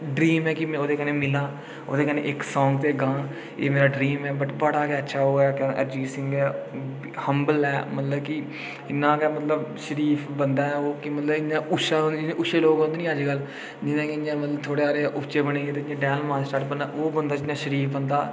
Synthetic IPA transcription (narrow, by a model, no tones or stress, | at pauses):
ɖɾiːmɛːkɪmɛ̃oːd̪eːkəneːmɪlãː | o̰ːd̪eːkənḛːʔɪksɔːŋɡt̪eːɡãː | ḛːmeːɾaːɖɾiːmɛːbəʈbəɽaːkɛːətːʃʰaːɦoːɛːkɛ̰̃ʔəɾd͡ʒiːsɪ̃ŋɡɛː | həmbəlɛːmət̪ləbkɪ | ɪnːãːkɛːmət̪ləbʃəɾiːpʰbənd̪aːɛːoːkɪmət̪ləbɪnãːʊʃãːd͡ʒɪnẽːʔʊʃeːloːɡõnd̪enĩːəd͡ʒɡəl | d͡ʒɪnãːkɪɪnãːmət̪ləbt̪ʰoːɽeːaːɾeʔʊpt͡ʃeːbəɽeːeːt̪eɪãːɖɛːnlmaːsʈaːʈbənd̪aːʔoːbənd̪aːd͡ʒɪnãːʃəɾiːpʰbənd̪aː